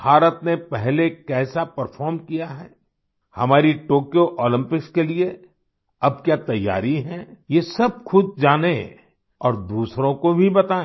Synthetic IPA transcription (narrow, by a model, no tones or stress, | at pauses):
bʱaːɾət̪nepɛɦlekɛːsapəɾfɔːɾmkijaɦɛː | hɐ̰maːɾiʈoːkijoʔɔːlɪ̃mpɪkskelie | ɐb̚kjat̪ɐjːa̰ːɾiɦɛ̃jesɐb̚xʊd̪̚d͡ʒaːne | ɔːɾd̪uːsɾõkobʱibɐt̪aːẽ